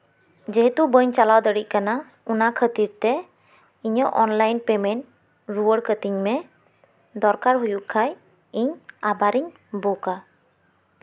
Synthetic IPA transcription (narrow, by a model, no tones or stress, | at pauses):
d͡ʒɛɦɛt̪ubəɲt͡ʃalawd̪əɽic̚ˀkana | unakʰət̪iɾt̪ɛ | iɲəʔɔnlajnpɛmɛnʈ | ɾuwəɽkət̪iɲmɛ | d̪ɔɾkaɾɦujuʔkʰaj | iɲabaɾiɲ | boka